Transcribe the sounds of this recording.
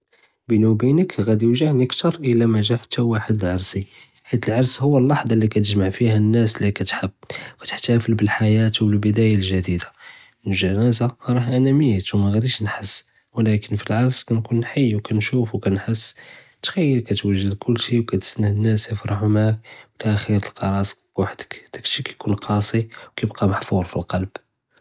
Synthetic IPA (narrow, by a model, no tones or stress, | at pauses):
bənubinəkɣæd̪jəʒəʕnikt̪ɑɾˤʔəlæmæʒæħt̪ːæwaħəd̪əlʕɑɾˤsi | ħit̪əlʕɑɾˤshʊwːəlːɑħd̪ˤɑlːikæt̪əʒmaʕfihænːæslikæt̪ħəbːwæt̪ə̥ħt̪æfəlbəlħajæt̪wəlbəd̪æjalʒæd̪id̪a | nʒænæzaɾˤɑhʔænæmjæt̪wmæɣæd̪iʃnħəsː | wlækənfilʕɑɾˤskænkunħajːwkænʃufwkænħəsː | t̪xæjːəlkæt̪wæʒːəd̪kʰʊlːʃiwkæt̪snːəənːæsjəfɾˤɑhʊmʕakwlææxəɾəlqɑɾˤɑs | waħd̪ə̥kd̪̥ækʃikæjkunqʰɑsˤiwkæjəbqɑmaħfuɾˤfilqɑlb̥